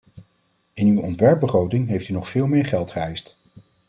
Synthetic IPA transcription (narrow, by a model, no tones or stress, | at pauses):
ɪnywɔntʋɛɹp̚bəχrowtɪŋɦejftynɔχfɪːlˠmɪːɹχɛlˠtχəɛjst